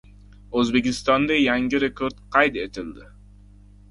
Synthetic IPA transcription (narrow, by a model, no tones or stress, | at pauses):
øzbekʲist̪ɑnd̪ɑjɑŋɡiɾekoɾt̪qɑjt̪et̪ɪld̪ɪ